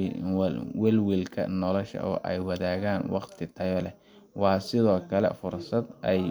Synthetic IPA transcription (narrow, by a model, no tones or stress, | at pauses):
wɛlwilkʰɐ̰nɔlɔʃɐ̰ʔɔ̰ːʔɛjwɑðaːɣaːnwɑqt̪ʰɪt̪ʰɐjɔlɛ | wɑːsɪðɔːkʰɐlɛ̰fʊrsɐd̪ʔɛj